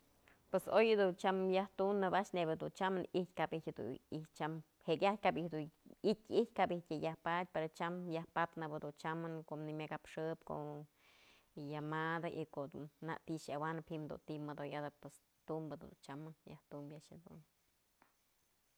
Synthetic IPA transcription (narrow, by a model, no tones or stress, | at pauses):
pwesojɨd̪unt͡ʃamjaht̪unːɨbaʔt͡ʃnebɨd̪unt͡ʃamɨnihtʲkabihtʲhd̪ṵit͡ʃam | hekjat̚ʲkabihd̪uit̚ʲiht̚ʲkabihtʲɨjahpat̪̚ʲpeɾot͡ʃamjahpat̪nɨbɨd̪unt͡ʃamɨnkonimʲakapʂɨpko̰ | jamad̪aʔikoʔd̪unna̰ʔt̪iʃawanɨphimd̪ṵnt̪imɨd̪ojad̪ɨpwes | t̪umbɨd̪ṵnt͡ʃamɨnjaht̪umbjaʔhɨd̪ṵn